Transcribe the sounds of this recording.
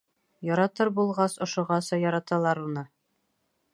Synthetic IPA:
jɒɾɑt̪ɤɾbulˠʁɑsŏʃŏʁɑsɑjɒɾɑt̪ɑlˠɑɾunɤ

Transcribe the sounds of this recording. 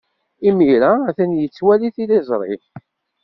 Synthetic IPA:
imiɾæθænjət͡sːwæliθilizˤɾˤɪ̰θ

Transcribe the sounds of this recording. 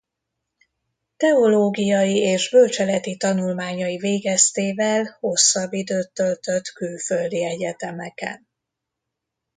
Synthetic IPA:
t̪ɛo̞loːɡijɒjieːʒbølt͡ʃɛlɛt̪it̪ɒnulmaːɲɒjiveːɡɛst̪eːvɛlho̞sːɒbːid̪øːt̪ːølt̪ø̞t̪kylføld̪iɛɟɛt̪ɛmɛkɛ̰n

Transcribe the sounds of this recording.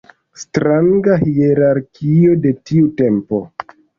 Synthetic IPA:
stɾaŋɡahieɾaɾkʰio̞de̞tiute̞mpo̞̰

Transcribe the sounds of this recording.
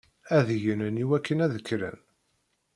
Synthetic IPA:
æðjənəniwækːənæðəkːɾæ̰n

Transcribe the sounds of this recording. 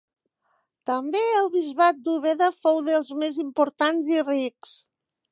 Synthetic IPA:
t̪əmbeəlˠβizβat̪̚d̪uβ̞eðəfowðəlˠzmezimpuɾt̪anziriks

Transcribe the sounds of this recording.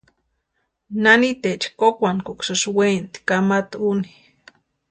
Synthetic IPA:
nanit̪et͡ʃkokʷankoksoʃwent̪kamat̪uni

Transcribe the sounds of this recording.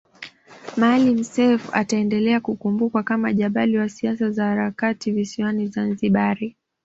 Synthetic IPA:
malim̩sɛfa̰taɛndɛlɛakukumbukwakamaʄaɓaliwasiasazahaɾakativisiwanizanziɓaɾi

